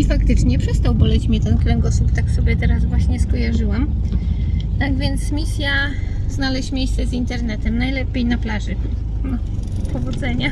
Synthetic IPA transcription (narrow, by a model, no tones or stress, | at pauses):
ifakt̪ɘt͡ʂɲɛpʂɛst̪awbɔlɛt͡ɕmʲɲɛt̪ɛnkʲlɛŋɡɔsupt̪aksɔbʲjɛt̪ɛɾazvwaɕɲɛskɔjaʐɘwam | t̪aɡvʲjɛnt̪smʲisʲja | znalɛɕmʲjejst̪sɛzint̪ɛɾnɛt̪ɛmnajlɛpʲejnaplaʐɘ | na | pʰɔvɔd̪zɛɲa